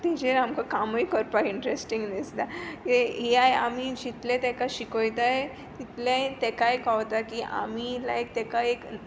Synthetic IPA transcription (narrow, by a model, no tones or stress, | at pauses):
t̪ed͡ʑeɾamkakamojkɔɾpakiɳʈɾesʈĩŋɡnist̪akɦiajamid͡ʑit̪lẽt̪ɛkaɕikojt̪ae | t̪it̪lajt̪ɛkajkaʋt̪akiʔa̰milajk̚t̪ɛkaek